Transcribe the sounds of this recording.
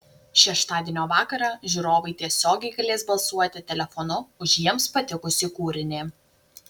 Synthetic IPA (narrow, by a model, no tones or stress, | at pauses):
ʃʲɛʃt̪ɑːd̪ʲiɛnʲoːʋɑːkɐɾɑːʒʲuɾoːʋɐɪt̪ʲiɛsʲoːɡʲɛɪɡɐlʲeːsbɐlˠsuɔt̪ʲɪt̪ʲɛlʲɛfɔnʊʊʒjiɛmspɐt̪ʲɪkʊsʲɪkuːɾʲɪnʲɪ